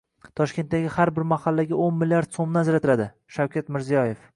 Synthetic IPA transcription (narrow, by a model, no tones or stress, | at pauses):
t̪ʰɒʃkʲe̞nt̪̚d̪aɡʲɪhaɾbɪɾmahalːaɡʲaʔonmɪljaɾd̪̥somnɪazɾat̪ʰɪlad̪ɪ | ʃawkʲat̪mɪɾzijɒje̞f